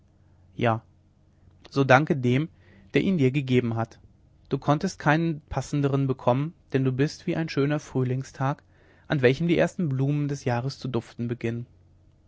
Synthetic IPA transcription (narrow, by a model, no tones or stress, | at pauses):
jaː | z̥oːdaŋkədeːm | d̥eːɐʔiːndiːɐɡəɡeːbm̩ɦat | d̥uːkʰɔntəst̚kʰaɪnənpʰasn̩dəʁ̞ənbəkʰɔmənd̥ɛnduːbɪstv̥iːʔaɪnʃøːnɐfʁ̥yːlɪŋstʰaːk | ʔanvɛlçəmdiːʔeːɐstn̩bluːməndɛsjaːʁ̞əst͡sudʊftn̩bəɡɪnən